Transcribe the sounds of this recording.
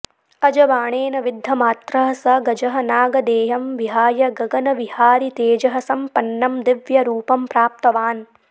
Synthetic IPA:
ɐd͡ʒɐʋaːɳeːnɐʋid̪ʱːɐmaːt̪ɾɐɦɐsɐɡɐd͡ʒɐɦɐnaːɡɐd̪eːɦɐmʋiɦaːjɐɡɐɡɐnɐʋihaːɾit̪eːd͡ʒɐɦɐsɐmpɐnːɐmd̪iʋjɐɾuːpɐmpɾaːp̚t̪ɐʋaːn

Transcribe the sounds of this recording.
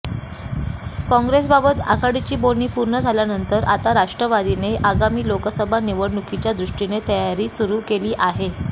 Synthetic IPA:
kɔ̃ŋɡɾes̬babət̪a̰kaɽit͡ɕiːboniːpuɾɳəd͡zʱaljanənt̪əɾat̪aɾaʂʈɾəʋad̪ineʔaɡamiːlokəsəbʱaniʋəɽɳukit͡ɕjad̪ɾuʂʈinet̪əjaɾiːsuɾuːkeliːʔaɦe

